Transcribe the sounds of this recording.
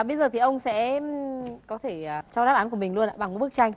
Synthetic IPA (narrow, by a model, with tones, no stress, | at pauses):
ɓə˧jzəː˨˩t̪ʰi˨˩ʔə˧wŋ͡msɛ̰˧˥ | kɔ˨˦t̪ʰe˧˩˨t͡ɕɔ˧ɗaː˦˥p̚aː˨˦nku˧˩əmï˨˩ŋ̟lu˧əna̰ː˧˨ɓa˨˩ŋ˨˦ɓɨ˦˥ək̚t͡ɕa˧jŋ̟